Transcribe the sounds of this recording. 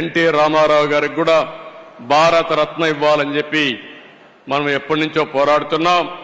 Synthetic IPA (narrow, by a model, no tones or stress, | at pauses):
eɳʈiɾaːmaːɾaːwuɡaːɾiɡuːɽaːbʱaːɾɐt̪ɐɾɐt̪nɐiʋːaːlɐɲt͡ʃe̞pːi | mɐnɐmɛpːɐʈnuɲt͡ʃo̞ːpɔːɾaːɽut̪unːaːm